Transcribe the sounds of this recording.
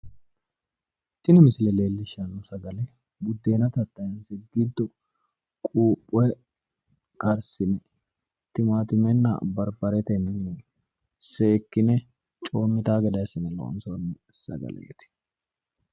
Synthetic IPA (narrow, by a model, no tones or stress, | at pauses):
t̪ːɪnɪmɪsɪlɛle̞ːlːɪʃɐnɔsɐɡɐlɛ | bʊd̪ːe̞ːnɐt̪ɐt̪ːɐjnsɪɡːɪd̪ːɔ | kʼuːpʼːʊwɛ | kɐɾsɪnɛ | t̪ɪmaːt̪ɪmɛnːɐ̰bɐɾbɐɾɛt̪ɛn | se̞ːkːɪnɛ | t͡ʃʼo̞ːmːɪt̪aːɡɛd̪ɐsɪnɛlɔ̰ʔɔ̰nsonɛsɐ̰ɡɐ̰lʔḛːt̪ɪ̥